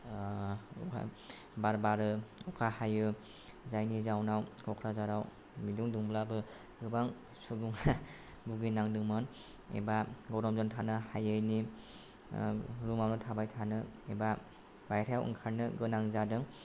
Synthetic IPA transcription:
ua̰ | baɾbaɾɯukʰahajɯ | zajnizawnawɡʰɔkʰɾazaɾaw | miduŋduŋblabɯ | ɡɯbaŋ | suɡuŋ | buɡinaŋdɯŋmɔn | ḛbaɡɔɾɔmzɔntʰanɯhajɯjni | ɾumawnɯtʰabajtʰanɯeba | bajɾʰajawʔɯ̰ŋkʰaɾnɯɡɯnaŋzadɯŋ

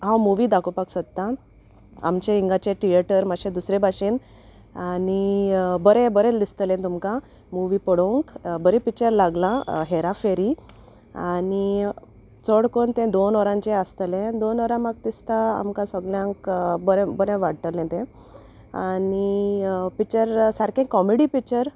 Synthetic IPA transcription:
ɦãwmuʋiːd̪akupaksət̪t̪ːa | a̰mt͡ɕeiŋɡat͡ɕeʈijəʈəɾmaɕẽd̪usɾebʱaɕiːn | anibəɾɛ̃bəɾɛ̃list̪əlẽt̪umkã | muʋipəɽoŋkbəɾipik̚t͡ɕəɾlaɡlãɦeɾafeɾi | ani | t͡sɔɽkont̪ɛ̃d̪onɔɾãɲt͡ɕeəst̪əlẽd̪onɔɾãmaɡ̚t̪ist̪aa̰mkãsəɡljãŋkbəɾɛ̃bəɾɛ̃ʋaɽt̪əlɛ̃t̪ɛ̃ | anipik̚t͡ɕəɾsaɾkɛ̃kkːɔmeɽipik̚t͡ɕəɾ

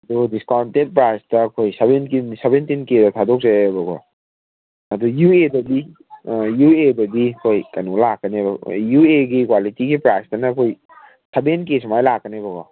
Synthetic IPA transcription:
ɐdudiskawntent̚pɾajsdɐkʰojsebenkinsebentinkedɐtʰadɔk̚zebɐɡɔ̰ | ɐdujuedɐdi | juebɐdikʰojkɐnulakːənebɐ̰jueɡikwalitiɡipɾajsdɐnɐkʰoj | sebenkesmajlakːənebɐɡɔ

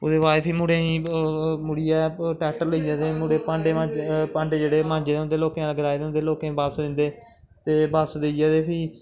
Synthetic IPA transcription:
oːd̪eːʋaːpʰiːmʊɽeːĩːmʊɽijɛːʈɛːʈəɾləid͡ʒaːd̪eːmuːɽeːpãɳɖeːmãːpãːɳɖeːd͡ʒeːɽeːmãːɲd͡ʒeːd̪eːʊnd̪eːloːkẽləɡəɾaːid̪eːʊnd̪eːloːkẽbaːpsːd̪ɪ̃nd̪eː | t̪eːbaːpsəd̪eid͡ʒaːd̪eːpʰiː

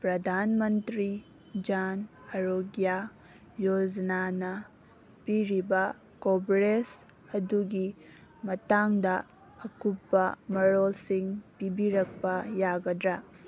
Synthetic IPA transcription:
pɾɐdʱanmɐntɾi | d͡ʒan | ɐɾoɡja | jod͡ʒɐnanɐ | piɾibɐ | kobɾes | ɐduɡi | mɐtaŋdɐː | kupːɐmɐɾolsiŋpibiɾɐk̚pɐjaɡɐdɾɐ

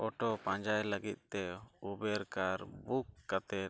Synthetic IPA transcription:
ɔʈɔpãɲd͡ʒajləɡit̪̚t̪ɛubɛɾkaɾbukːat̪ɛt̪

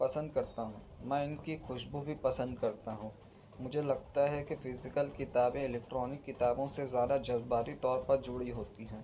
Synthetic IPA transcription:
pɐsə̃nd̪̚kɐɾt̪aɦũːmɛ̃ːɪnkixʊʃbubʱipɐsə̃nd̪̚kɐɾt̪aɦũː | mʊd͡ʒʱelɐɡ̚t̪aɦɛkefɪzɪkəlkɪt̪aːbẽɪlɛːkʈɾɔːnɪkːɪt̪aːbõsezjaːd̪ad͡ʒɐzbaːɾit̪ɔːɾpɐɾd͡ʒʊɽiɦoːt̪iɦɛ̃ː

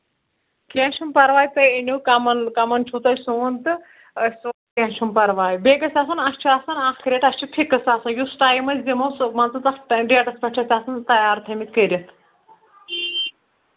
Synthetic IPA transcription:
kẽːʃumpɐɾʋaːjt̪ɐinʲukɐmɐnkɐmɐnt͡ʃʰut̪ɐsuːnt̪ɨ | su | kẽːʃumpɐɾʋaːjbeːɡɐsʲaːsɐnɐsʲt͡ʃʰuaːsɐnaːkkʰɾʲeːʈɐst͡ʃʰipʰikːɐsaːsɐnjusʈaːjmɐzʲzimɐsmɐnt̪ɨt̪ɐkʈɖeːʈɐspʲɐʈʰɐsʲaːsɐnt̪ɐjaːɾt̪ʰɐmit̪̚kəɾʲɐt̪ʰ

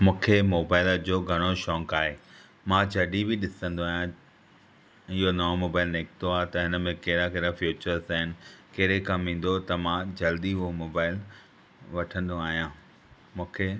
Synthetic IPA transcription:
mũːkʰemoːbaːɪld͡ʑoːɡʱɐɽ̃oʃɔ̃ːŋkaːɦeː | mãd͡ʑʰɐɗibɪɗɪsə̃nd̪oaːɦjã | ɪɦonɐʋomoːbaːɪlneːkt̪oaːɦet̪ɐɦɪnə̆mẽkɐɦɪɾakɐɾafjuːt͡ɕəɾzaːɦɪnɪ̆kɐɦɾekɐ̃mĩːn̆d̪ot̪ɐmãd͡ʑɐld̪iɦuomoːbaːɪl | ʋɐʈʰə̃nd̪oaːɦijã | mũːkʰe

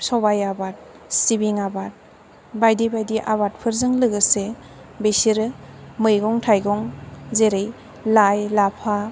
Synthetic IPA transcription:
sɔbajabat̚ | sibiŋabat̚ | bajdibajdiʔaβat̚pʰɯɾzɯŋlɯɡɯse | besiɾɯmɯjɡɔŋtʰajɡɔŋzeɾɯj | lajlapʰa

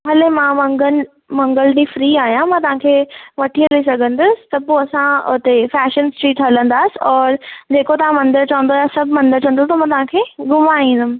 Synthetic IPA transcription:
ɦɐlemãmɐ̃ŋɡən | mɐ̃ŋɡəlɖifɾiːaːɦijãmãːt̪ɐʋ̤ãːkʰeːʋɐʈʰiəlisɐɡʱə̃nd̪ʊsɪ̥̆t̪ɐpoɐsãʊ̰t̪efɛːʃənsʈɾiːʈɦɐlə̃nd̪aːsɪ̆ɔːɾd͡ʑeːkot̪ɐʋ̤ãmɐ̃nd̪əɾt͡ɕɐʋə̃nd̪oaːjasɐbʱmɐ̃nd̪əɾt͡ɕɐ̃ən̆d̪ot̪ɐmãːt̪ɐʋ̤ãkʰeːɡʊmaĩːn̆d̪ʊmɪ

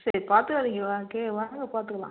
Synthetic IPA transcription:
sɐɾipaːɾt̪ɯkɐðɪŋɡɐʋaːkːeʋɐɐŋɡɐpaːɾt̪ɯkːɐlã̰ː

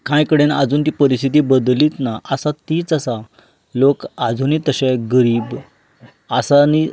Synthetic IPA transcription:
kãjkəɽenad͡zuːnt̪ipəɾist̪ʰit̪̬iːbəd̪liːt̪naʔəsat̪iːt͡sasa | lokad͡zʱuniːt̪əɕeɡəɾiːb | asani

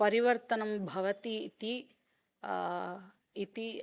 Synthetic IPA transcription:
pɐɾiʋɐɾt̪ɐnɐmbʱɐʋɐt̪iːt̪i | it̪i

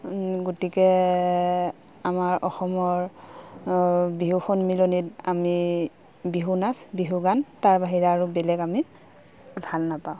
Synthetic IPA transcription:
ɡotikɛ | amaɹɔxɔmɔɹ | biɦuxɔnmilonitami | biɦunasbiɦuɡantaɹbaɦiɹaːɹubɛlɛɡami | bʱalnapaʊ̃

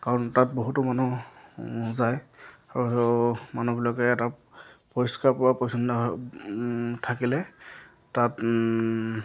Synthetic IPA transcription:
kaɹɔntat̚boɦutʊmanu | zajaɹuɦemanubilɔkɛːtapɔiskaɹpɔɹapɔjsʰɔnda | tʰakilɛ | tat

